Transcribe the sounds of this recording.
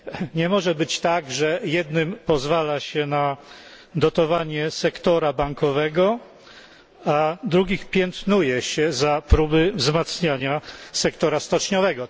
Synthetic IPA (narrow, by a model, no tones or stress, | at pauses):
ɲɛmɔʐɛbɘt͡ɕt̪aɡʐɛjɛd̪nɘmpɔzvalaɕɛna | d̪ɔt̪ɔvaɲɛsɛkt̪ɔɾabaŋkɔvɛɡɔ | ad̪ɾuɡʲixpʲjɛnt̪nujɛɕɛzapɾubɘvzmat̪sɲaɲasɛkt̪ɔɾast̪ɔt͡ʂɲɔvɛɡɔ